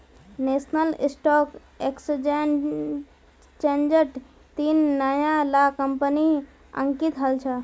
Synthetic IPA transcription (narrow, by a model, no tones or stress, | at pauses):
nesnəlisʈɔk | eksd͡ʒ | t͡ʃend͡ʒəɾʈ | t̪inːəjãlakəmpəni | ə̰ŋkit̪ɦəlt͡ʃʰə